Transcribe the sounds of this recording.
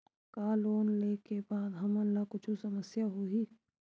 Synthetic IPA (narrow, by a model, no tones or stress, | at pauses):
kaːloːnleːkebaːd̪ɦɐmənlakʊt͡ʃʰusɐməsjaɦuiː